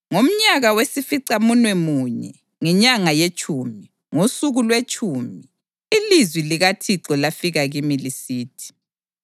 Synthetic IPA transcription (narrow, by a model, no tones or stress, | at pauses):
ŋom̩ɲaɣawesifiǀamunwɛmuɲɛ̰ | ŋɛɲaŋajet͡ʃʼʰuːmi | ŋosuɣulwet͡ʃʰʼuːmiː | lizwiliɣatʰiǁɔlafiɣaɣimilisiːtʰi̥